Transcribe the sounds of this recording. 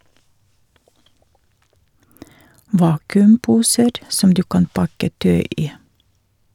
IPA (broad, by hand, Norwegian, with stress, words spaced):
ˈʋɑːkʉmˌpuːsəɾ ˈsɔm ˈdʉː ˈkɑn ˈpɑkə ˈtœʏ ˈiː